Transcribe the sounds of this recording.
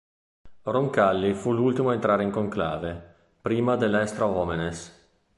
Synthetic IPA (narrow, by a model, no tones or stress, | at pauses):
roŋkalːifulult̪imoaent̪ɾaːɾeiŋkoŋkla̰ːve | pɾiːmad̪elːɛst̪ɾaɔmenes